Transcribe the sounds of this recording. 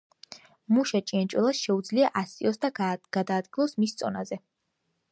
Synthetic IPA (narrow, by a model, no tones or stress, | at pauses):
muʃat͡ʃʼiant͡ʃʼwɛlˠasʃɛud̪zliaʔasiɔsd̪aɡ̥ad̪aːd̪̚ɡilˠɔsmist̪sʼɔnazɛ